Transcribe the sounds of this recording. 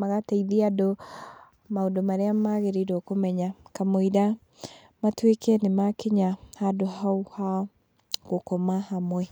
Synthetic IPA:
maɣateiðiado | maodomaɾeamaɣeɾiɾokomɛɲakamoiɾa | matwekɛnemakeɲahadohauha | ɣokɔmahamwɛ

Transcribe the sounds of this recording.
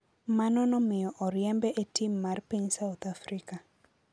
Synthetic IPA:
manɔnɔmɪjɔʔɔɾjɛmbɛʔetimːarpiɲsawt̪afɾika

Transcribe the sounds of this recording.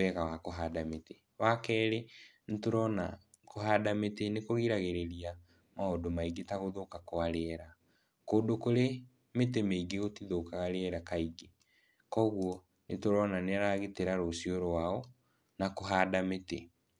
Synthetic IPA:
ɛɣawakoɦaːdamete | wakɛːɾenetoɾɔna | koɦaːdametenekoɣiɾaɣeɾeɾia | maodomaiɡetaɣoðokakoaɾeɛɾa | kodokoɾe | metemeiɡeɣotiðokaɣaɾeɛɾakaiɡe | kɔɣwɔ | netoɾɔnaneaɾaɣeteɾaɾosioɾowaɔ | nakoɦaːdamete

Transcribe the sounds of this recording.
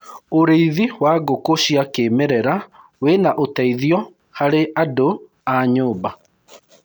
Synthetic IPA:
oɾeiðiwaɡokoɕjakemɛɾɛɾa | wenaʔotɛiðjɔ | haɾeʔado | aɲoːba

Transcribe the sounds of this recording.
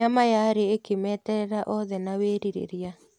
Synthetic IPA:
amajaɾeekemɛːtɛɾɛɾaʔɔðɛnaweːɾiɾḛɾja

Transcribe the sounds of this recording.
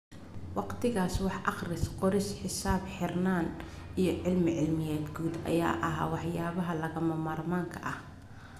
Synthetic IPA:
wɑqt̪ʰɪɣaːswɑħʔɑχrɪsqɔɾɪsħɪsaːbħɪrnaːn | ijɞʕɪlmɪʕɪlmɪjɛːd̪ɡuːd̪ɐ̰ja̰ːʔɐɦa̰ːwɑħjaːβɐɦɐlɐɣɐmɐmaːrmaːŋkʰɐʔɐh

